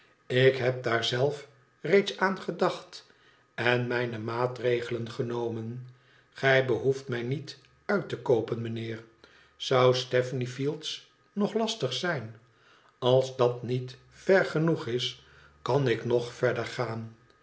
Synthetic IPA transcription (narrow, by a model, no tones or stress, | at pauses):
ɪkɦɛp̚daːɹzɛlˠf | rejtsaːnχədɑχt | ɛnmɛjnəmaːtrejχələnχənowmən | χɛjbəɦuftmɛjnit | œɥtəkowpənmənɪːɹ | zʌwstɛfnifilˠts | nɔχlɑstəχsɛjn | ɑlˠzdɑtnit | fɛɹχənuχɪs | kɑnɪknɔχfɛɹdəɹχaːn